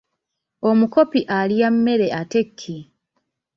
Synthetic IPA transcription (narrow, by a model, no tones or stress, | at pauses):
omuko̞piʔalijamːe̞ɾe̞ate̞kʰːi